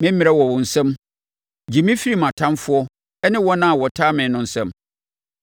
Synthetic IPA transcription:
mɪ̃˦m̩˦mɪ̃˨ɛ˦wɔ˨wʊ̃˨n̩˨sɛ̃˦m | d͡ʑi˨mĩ˦fi˦ɾi˦˨mã˨tʰã˦nfʊ˦ɔ˦ | ɛ˦nɪ̃˦wɔ˦nã˦a˨wɔ˨tʰaː˦mɪ̃˨˦nʊ̃˦n̩˨sɛ̃˦m

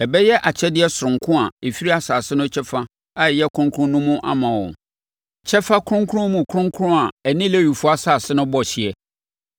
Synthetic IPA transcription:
ɛ˨bɛ˦jɛ˦ʔa˨t͡ɕʰɛ˦dɪ˦ɛ˦sʊ˨ɾʊ̃˨ŋkʰʊ̃˦a˨e˨fi˦ɾi˦a˨saː˨sɪ˦nʊ̃˦t͡ɕʰɛ˦fa˦ | a˦˨jɛ˦kʰɾʊ̃˦ŋkʰʊ̃˦nũ˦mũ˦ʔa̰˦mã˨wɔ̰̃˨ | t͡ɕʰɛ˦fa˦kʰʊ˦ʊ̃˦ŋkʰɾʊ̃˦mũ˨kʰʊ̃˦ŋ˦kʰɾʊ̃˦a˨ɛ˨nĩ˦le˦ɥu˨fʊ˦a˦saː˨sɪ˦nʊ̃˦bɔ˦˨ɕi˨ɛ˨

